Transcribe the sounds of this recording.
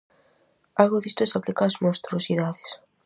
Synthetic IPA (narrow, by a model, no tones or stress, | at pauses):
alɣoðist̪osaplikazmõst̪ɾosiðaðɪs